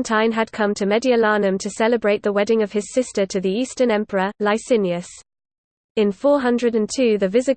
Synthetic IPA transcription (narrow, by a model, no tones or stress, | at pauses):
ntʰãɪ̃məd̚kʰʌ̃mtʰəmɛdiəlɑːnə̃mtʰəsɛləbɹeɪʔ̚ðəwɛdɪ̃ŋəv̥ɪz̥sɪstətʰəðiiˑstənɛ̃mpʰəɹəlaɪsɪ̃njəs | ɪ̃nfɔːɦʌ̃ndɹədə̃ntʰʉːðəvɪzɪ